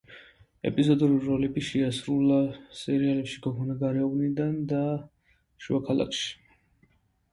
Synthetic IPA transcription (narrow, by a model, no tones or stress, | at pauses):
ɛ̰pʼizɔd̪uɾilɾɔlɛbiʃɛasɾulasɛɾialɛpʃiɡɔɡʰɔnaɡaɾɛɔnid̪and̪a | ʃuakʰala̰kʰʃi̥